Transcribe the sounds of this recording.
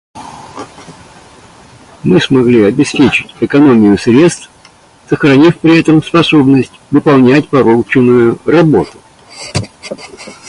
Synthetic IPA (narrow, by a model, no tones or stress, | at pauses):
mɨsmɐɡlʲiɐbʲɪspʲet͡ɕɪ̥tʲɪkɐno̞mʲɪjʊsɾʲe̞t̪st̪f | səxɾɐnʲifpɾʲɪɛt̪əmspɐso̞bnəsʲtʲvɨpɐlˠnʲætʲpɐɾolˠt͡ɕɪnʊjʊrɐbo̞t̪ʊ̥